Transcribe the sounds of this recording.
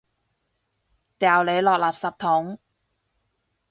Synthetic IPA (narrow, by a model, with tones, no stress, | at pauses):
t̪ɛː˨˩wle˨˧jlɔː˨k̚laː˨˩p̚sɐ˨p̚t̪ʰʊ˨˥ŋ